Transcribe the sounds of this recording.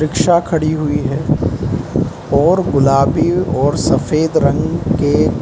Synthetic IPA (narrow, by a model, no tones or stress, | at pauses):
ɾɪkʃakʰɐɽiɦʊiɦɛː | ɔːɾɡʊlaːbiɔːɾsɐfeːd̪ɾɐ̃ŋɡke